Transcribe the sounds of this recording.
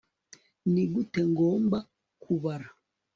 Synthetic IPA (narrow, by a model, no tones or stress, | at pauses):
niɡutɛŋɡɔmba | kʰuβaɾa